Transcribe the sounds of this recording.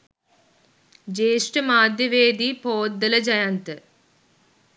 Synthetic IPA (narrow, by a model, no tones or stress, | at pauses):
d͡ʒeːʂʈɨmaːd̪jɐʋeːd̪ipoːd̪ːɐlɐd͡ʒɐjant̪ɨ